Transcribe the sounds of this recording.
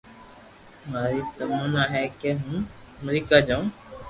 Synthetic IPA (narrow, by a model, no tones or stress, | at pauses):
maːɾiːt̪əmənaːɦɛːkeːɦũː | əmɾiːkaːd͡ʒaːũː